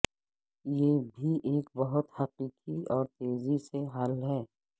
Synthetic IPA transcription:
jebʱiʔeːkbɐɦʊt̪hɐqiːqiɔːɾt̪eːziseɦaːlɦɛː

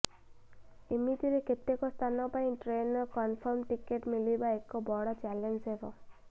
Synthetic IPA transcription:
emit̪iɾeket̪ekɔst̪ʰanɔpaĩʈɾenɔkɔnpʰɔɾmʈikeʈmilibaekːɔbɔɽɔt͡ʃalensebɔ

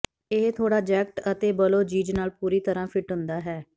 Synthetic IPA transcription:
eɦt̪ʰoːɽaːd͡ʒɛːk̚ʈət̪eːbəloːd͡ʒiːd͡ʒnaːlpuːɾiːt̪əɾãːpʰɪʈɦʊnd̪aːɦɛː

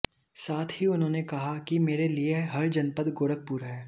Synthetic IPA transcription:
saːt̪ʰɦiʊnɦõːnekɐɦakimeːɾelieɦɐɾd͡ʒɐnpəd̪ɡoːɾək̚puːɾɦɛː

